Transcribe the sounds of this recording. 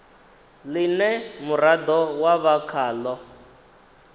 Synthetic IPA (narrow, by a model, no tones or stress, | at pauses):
linɛmuɾad̪ɔwaβakʰaːlɔ